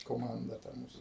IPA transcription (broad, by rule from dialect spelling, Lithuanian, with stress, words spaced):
koːˈmɐndɐ tɐ ˈmuːs